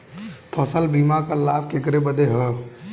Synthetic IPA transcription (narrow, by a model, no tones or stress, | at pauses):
pʰɔsəlbiːmakalaːb̚kekɾebəd̪eɦə